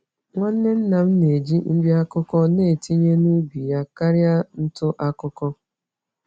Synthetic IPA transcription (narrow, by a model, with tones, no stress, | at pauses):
ŋʷa˦n̩˦ne˦n̩˦na˨m̩˦ne˨d͡ʒi˦n̩˦bi˦a˦kʊ˦kɔ˦ne˦˨ti˦ɲe˦nu˦bi˨ja˦ka˦ɾja˦n̩˦tʊ˦ʔa˦kʊ˦kɔ˦